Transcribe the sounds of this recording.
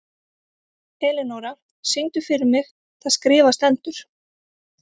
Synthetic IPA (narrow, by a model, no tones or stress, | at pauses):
hɛːlɪnowɾa | sɪnt̪ʏfɪɾɪɾmɪx | θaðskɾɪːvast̪ɛnt̪ʏɾ̥